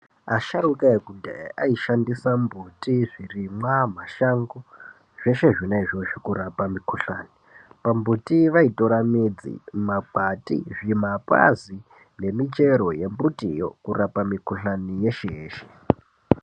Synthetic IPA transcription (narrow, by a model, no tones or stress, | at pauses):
aʃaɾukaekunda̰ʔaiʃandisambutiʐirimwam̤aʃaŋɡo | ʐ̥e̞ʃe̞ʐinaiʐo̞ʂikuɾapamikʰuɬaːni | pambutiʋaitoɾamid͡zḭmak͡patḭʐimapʼa̰zi | ne̞mit͡ʃe̞ɾo̞je̞mbutijo̞̰kurapamikuɬanije̞ʃejeːʃe̥